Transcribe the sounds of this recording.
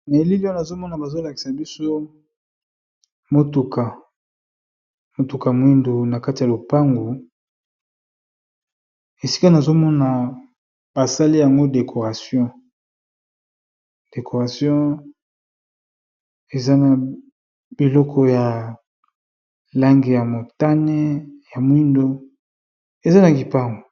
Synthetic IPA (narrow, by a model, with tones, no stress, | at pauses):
me˨li˦li˦ɔ˦na˨zo˦mɔ˦na˨ba˨zo˦la˨ki̥˨sa˨bi˦so˦ | mo˦tu˨ka˨ | mo˨tu˨ka˨mwi˦ndu˨na˨ka˦ti˨ja˨lo˨pa˦ŋɡu˨ | e˨si̥˦ka˦na˨zo˦mɔ˦na˨ | ba˨sa˦li˦ja˨ŋɡo˦de˨kʰo˨ʁa˨sjɔ̃˦ | d̥e˨kʰo˨ʁa˨sjɔ̃˦ | e˨za˦na˨ | b̥i˨lɔ˦kʰɔ˦ja˨ | la˦ŋɡi˨ja˨mo˨ta˦nɛ˦ja˨mwi˦ndo˦ | e˨za˦na˨ɡi˨pa˦ŋɡo˨